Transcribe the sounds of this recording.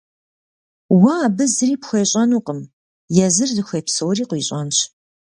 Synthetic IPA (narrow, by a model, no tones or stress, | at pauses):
wɐːbɨzriːpxʷeːɕʼɐnuːqəm | jɛzɨrdɨxʷeːpsɐwɾiːqʷiːɕʼɐnɕ